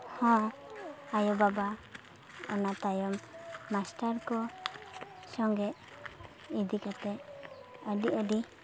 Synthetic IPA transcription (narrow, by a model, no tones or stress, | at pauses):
hɔ̃ | ajɔbaba | ɔnat̪ajɔmːasʈaɾkɔ | sɔŋɡɛʔ | id̪ikat̪ɛʔəɖiʔəɖi